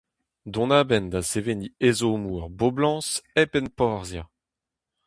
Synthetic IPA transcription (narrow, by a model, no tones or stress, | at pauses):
d̪ɔ̃naːbɛnd̪aseveniezomuaʁboblɑ̃ːsɛpɛnpɔʁzja